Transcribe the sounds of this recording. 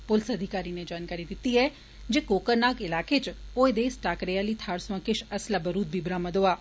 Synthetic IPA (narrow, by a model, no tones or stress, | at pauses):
pʊlsɐd̪ʱɪkaːɾined͡ʒaːnkaːɾid̪ɪt̪ːiɛː | d͡ʒeːkoːkəɾnaːkɪlaːket͡ʃoːed̪eːsʈaːkɾeaːliːt̪ʰaːɾsʋãkɪʃɐslabəɾuːd̪̚bʱiːbɾaːməd̪oːaː